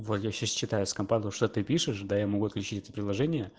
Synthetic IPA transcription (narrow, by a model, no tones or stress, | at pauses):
vot̪jaɕast͡ɕːɪt̪ajʊskɐmpand̪ʊʂt̪ot̪ɨpʲiʂɨʂd̪ajamɐɡuɐt̪klʲʉt͡ɕitʲɛt̪ə̥pɾʲɪd̪lˠɐʐɛnʲɪjə